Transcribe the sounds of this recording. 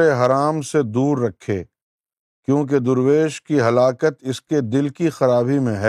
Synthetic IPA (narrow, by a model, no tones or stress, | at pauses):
eɦɐɾaːmsed̪uːɾːɐkʰːeː | kjõːk̬ed̪ʊɾweːʃkiɦɐlaːkət̪ɪsked̪ɪlkixɐɾaːbimẽɦɛ